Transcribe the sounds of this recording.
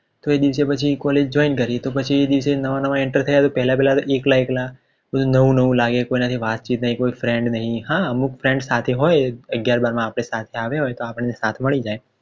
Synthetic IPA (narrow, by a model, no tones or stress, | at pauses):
t̪oed̪iʋsepət͡ʃʰikɔled͡ʒd͡ʒɔinkəɾiet̪opət͡ʃʰied̪iʋsenəʋanəʋãeɳʈəɾt̪ʰəjat̪opɛɦlapɛɦlat̪oʔeklaekla | bəd̪unəʋũnəʋũlaɡekoinət̪ʰiʋat̪̚t͡ʃit̪̚nəɦĩkoifɾɛ̃ɳɖnəɦĩɦãəmukfɾɛ̃ɳɖsat̪ʰeɦojəɡjaɾbaɾmãːpɽ̃esat̪ʰeaʋeɦojt̪oapəɳ̃nesat̪ʰməɭid͡ʒaj